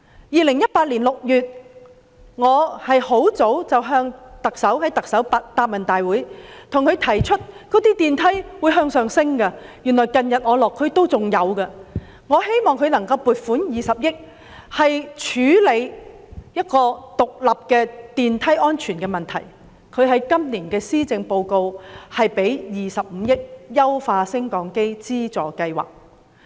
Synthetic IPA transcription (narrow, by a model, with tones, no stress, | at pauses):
jiː˨˧lɪ˨˩ŋjɐ˥t̚paː˧t̚liː˨˩nlʊ˨k̚jyː˨t̚ | ŋɔː˨˧hɐ˨jho˨˥wt͡so˨˥wt͡sɐ˨wɦœː˧ŋt̪ɐ˨k̚sɐ˨˥whɐ˨˥jt̪ɐ˨k̚sɐ˨˥wpa˧t̪aː˧p̚mɐ˨˩nt̪aː˨jwuː˨˥jt̪ʰʊ˨˩ŋkʰɵ˨˧ɥt̪ʰɐ˨˩jt͡ʃʰɵ˥t̚kɔː˨˥t̪iː˥t̪iː˨nt̪ʰɐ˨˥jwuː˨˧jɦœː˧ŋsœː˨ŋsɪ˥ŋkɐ˧jy˨˩nlɔː˨˩jkɐ˨njɐ˨t̚ŋɔː˨˧lɔː˨kʰːɵ˨˧ɥt̪o˥wt͡sʊ˨ŋjɐ˨˧wkɐ˧ | ŋɔː˨˧he˥jmɔː˨ŋkʰɵ˨˧ɥnɐ˨˩ŋkɐ˧wpuː˨t̚fuː˨˥njiː˨sɐ˨p̚jɪ˥k̚ | hɐ˨jt͡ʃʰyː˨˥le˨˧j | jɐ˥t̚kɔː˧t̪ʊ˨k̚lɐ˨p̚kɛː˧t̪iː˨nt̪ʰɐ˥jɔː˥nt͡ʃʰyː˨˩nkɛː˧mɐ˨˩nt̪ʰɐ˨˩j | kʰɵ˨˧ɥɦɐ˨˧jkɐ˥mliː˨˩nkɛː˧siː˥t͡sɪ˧ŋpo˧wko˧whɐ˨jpe˨˥jjiː˨sɐ˨p̚m̩˨˧jɪ˥k̚jɐ˥wfaː˧sɪ˥ŋkɔː˨ŋke˥jt͡siː˥t͡sɔː˨kɐ˧jwa̰ː˨˩k̚